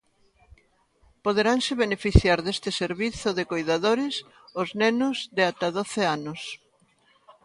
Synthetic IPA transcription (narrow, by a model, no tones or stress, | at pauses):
poðeɾaŋsɪβenefiθjaɾðest̪ɪseɾβiθʊðekojðaðoɾɪs | oznenʊzðɪat̪aðoθeanos